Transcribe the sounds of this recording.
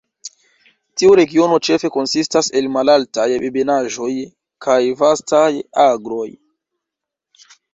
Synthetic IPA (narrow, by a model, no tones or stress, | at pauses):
tiuɾe̞ɡio̞no̞t͡ʃe̞fe̞ko̞nsistase̞lmalaltajbebenaʒo̞j | kʰajvastajaɡɾo̞j